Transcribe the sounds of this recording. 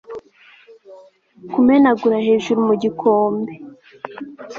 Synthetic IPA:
kumenaɡuɾahe̞ːʒuɾumuɟikʰoːmbe

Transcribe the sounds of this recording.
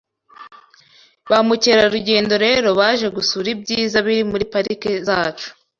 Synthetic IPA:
βamuceɾaɾuɟe̞ːndo̞ɾe̞ːɾo̞βaːʒe̞ɡusuɾibɟiːzaβiɾimuɾipaɾikezaːt͡ʃu̥

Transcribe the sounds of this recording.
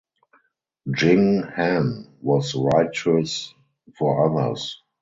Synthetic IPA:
d͡ʒɪ̃ŋhæ̃nwɔsɹaɪt͡ʃəs | fɔaðə̰˞s

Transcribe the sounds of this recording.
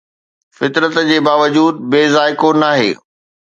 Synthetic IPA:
fɪt̪ɾət̪d͡ʑeːbaːʋəd͡ʑuːd̪̚beːzaːɪkonaːɦḛː

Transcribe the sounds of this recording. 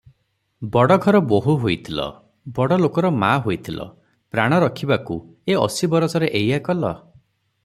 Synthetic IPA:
bɔɽɔɡʱɔɾɔboɦuɦojt̪ʰilɔ̰ | bɔɽɔlokɔɾɔmaɦojt̪ʰilɔ̰ | pɾaɽ̃ɔɾɔkʰibaku | eɔ̰sibɔɾɔsɔɾeʔejakɔlɔ

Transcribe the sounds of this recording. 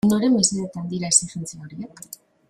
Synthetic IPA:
nd̪oɾe̞mbisiðet̪and̪iɾaesitent͡siaoɾiek

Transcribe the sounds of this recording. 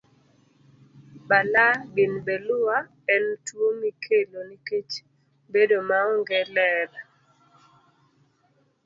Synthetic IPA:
balabɪnbelʊa | ɛntwomikʰeloniket͡ʃ | bedomaɔŋɡɛlɛɾ

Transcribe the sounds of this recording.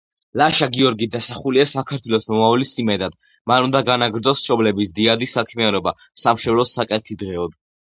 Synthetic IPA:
laʃaɡiɔɾɡid̪asaχuliasakʰaɾt̪ʰwɛlɔsmɔmavlisimɛd̪ad̪̥ | manund̪aɡanaɡɾd̪zɔsʃɔblɛbisd̪iad̪isakʰmianɔba | samʃɛvlɔsːakʼɛt̪ʰid̪ʁɛɔd̪

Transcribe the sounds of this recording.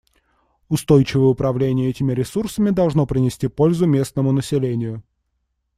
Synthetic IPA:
ʊst̪ojt͡ɕɪvəjəʊpɾɐvlʲenʲɪjəɛtʲɪmʲɪɾʲɪsursəmʲɪd̪ɐlˠʐnopɾʲɪnʲɪsʲtʲipo̞lʲzʊmʲe̞snəmʊnəsʲɪlʲenʲɪjʊ

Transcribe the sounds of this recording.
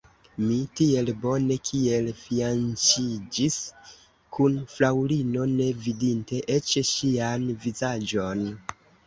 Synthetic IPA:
mitie̞lbo̞ne̞kʰie̞lfiant͡ʃid͡ʒis | kʰunflawɾino̞ne̞vidinte̞ʔe̞t͡ʃʃianvizad͡ʒo̞n

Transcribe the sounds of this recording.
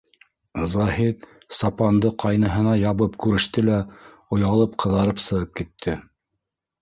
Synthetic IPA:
zaɦit̪ | sɑpɑnd̪ɤqʰɑjnɤ̆ɦɤ̆nɑjɑβɤpkʉɾɘ̆ʃt̪ɘlæ | ŏjɑlˠɤp̚qʰɤ̆ðɑɾɤpsɤ̆ʁɤp̚kit̪ʰːɘ

